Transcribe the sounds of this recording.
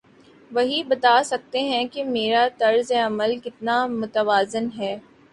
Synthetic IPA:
ʋɐɦibɐt̪aːsɐk̚t̪eɦɛ̃kemeːɾat̪ɐɾzeɐməlkɪt̪namʊt̪əʋaːzɪnɦɛː

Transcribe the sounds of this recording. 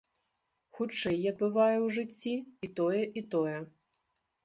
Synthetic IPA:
xut͡ʂɛjːɐɡ̚bɨvajɛwʐɨt͡sʲːiit̪ɔjɛʔit̪ɔjɛ

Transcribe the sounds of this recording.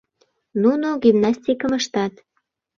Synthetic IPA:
nunoɡʲimnɑsʲt̪ʲikəməʃt̪ɑt̪

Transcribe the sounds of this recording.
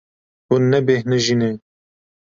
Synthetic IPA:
unːɛbeːhnɨʒine

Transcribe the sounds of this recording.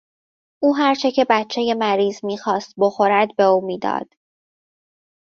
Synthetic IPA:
ʔuːɦæɾt͡ʃʰe̞cʰe̞bæt̪t͡ʃʰːe̞je̞mæɾiːzmiːxɒːst̪̚boxo̞ɾæd̪be̞uːmiːd̪ɒ̰ːd̪̥

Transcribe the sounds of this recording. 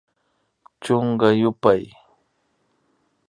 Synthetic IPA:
t͡ʃoŋɢɑjʊpaj

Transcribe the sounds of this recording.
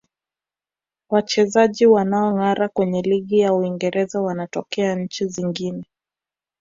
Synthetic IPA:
wat͡ʃɛzaʄiwanaɔŋaɾakwɛɲɛliɠijauiŋɡɛɾɛzawanatɔkɛaɲ̩t͡ʃiziŋɡinɛ

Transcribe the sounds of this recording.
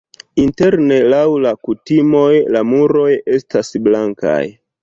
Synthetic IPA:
inte̞ɾne̞lawlakutimo̞jlamuɾo̞je̞stasblaŋka̰j

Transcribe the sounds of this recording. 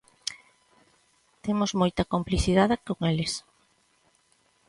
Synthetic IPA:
t̪emozmojt̪ɐkompliθiðaðɪkoŋelɪs

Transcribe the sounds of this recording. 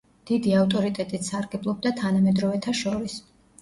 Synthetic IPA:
d̪̥id̪iaft̪ʼɔɾit̪ʼɛt̪ʼit̪saɾɡɛblˠɔb̚d̪at̪ʰanamɛd̪ɾɔvɛt̪ʰaʃɔɾis

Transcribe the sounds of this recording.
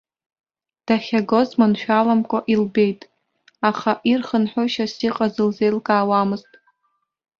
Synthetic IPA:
d̥aχʲaɡo̞zmanʃᶣalamkʷʼaʔilbe̞jtʼ | aχaʔirχənħʷoʃasiqʼazɨlze̞jlkʼaːwamɨztʼ

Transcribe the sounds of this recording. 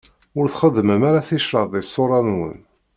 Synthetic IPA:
ʊɾθχəd̪ːməmaɾaθiʃɾəððɪsˤːoɾˤɑnwə̰n

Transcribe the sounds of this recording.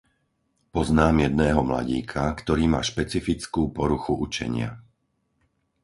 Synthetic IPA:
pɔznaːmjɛd̪nɛːɦɔmla̰ɟiːkʰakt̪ɔɾiːma̰ːʃpɛt͡sifit͡skuːpɔɾuxuʔut͡ʃɛ̰ɲɪa̰

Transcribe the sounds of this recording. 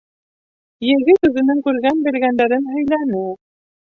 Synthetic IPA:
jɘ̆ɣɘt̪ʉðɘ̆nɘŋkʉɾɡænbɘ̆lɡænd̪æɾɘnɦɵ̆jlænɘ

